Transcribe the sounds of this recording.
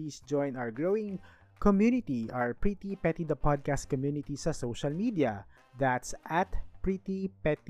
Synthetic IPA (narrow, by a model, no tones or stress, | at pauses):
iːsd͡ʒɔ̃j̃nawɹɡɹowɪ̃ŋ | kɔmjunɪt̪iʔaɹpɹit̪ipɛt̪id̪ɐpad̪̚kast̪̚kɔmjunɪt̪isɐsowʃɐlmid̪iɐ | d̪at̪sʔɐt̪pɹit̪ipɛt̪